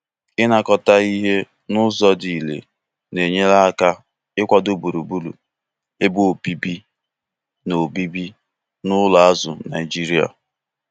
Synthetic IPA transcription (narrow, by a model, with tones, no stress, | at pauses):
ɪ˦na˨kɔ˨ta˦i˦ɦe˦ | nʊ˦zɔ˦di˨lḛ˨ | ne˨ɲe˦la˦ka˦ | ɪ˦kʷa˨do˦˨bu˨ɾu˨bu˦lṵ˨ | e˦bʊ˦o˨pi˦bi˦ | no˨bi˦bi˦ | nʊ˦la˨a˦zʊ˨na˨ɪ˨d͡ʒi˦ɾi˦a̰˨